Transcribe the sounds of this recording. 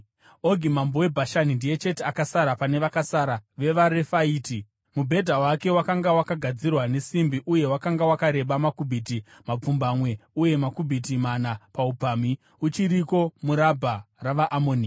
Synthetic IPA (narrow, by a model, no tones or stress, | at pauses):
oɡʱimambowe̞bʱaʃanindije̞t͡ʃe̞teakasaɾapane̞ʋakasaɾaʋe̞ʋaɾefaiːti | mubʱe̞dʱawake̞wakaŋɡawakaɡʱad͡zirwane̞simbiʔuje̞wakaŋɡawakaɾe̞ɓamakubʱiti | map͡fumbamwe̞uje̞makubʱitimanapaupaːmi | ut͡ʃiɾiko̞muɾabʱaraʋaʔːmoːni